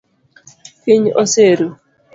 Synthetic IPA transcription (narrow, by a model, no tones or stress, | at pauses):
kiɲoseɾu